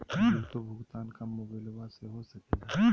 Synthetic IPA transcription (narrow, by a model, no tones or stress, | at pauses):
ot̪obʱʊɡt̪aːnkamobelʋaseɦosɐkea